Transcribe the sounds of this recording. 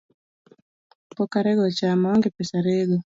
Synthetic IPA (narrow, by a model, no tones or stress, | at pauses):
pɔkaɾɛɡɔt͡ʃamaɔŋɡɛpɛsaɾɛɡɔ